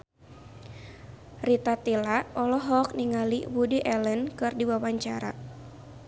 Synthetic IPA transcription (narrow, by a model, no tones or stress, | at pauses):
rit̪at̪ilaʔɔlɔɦɔk̚niŋaliwudiʔɛlənkɨrdiwawaɲt͡ʃaɾa̰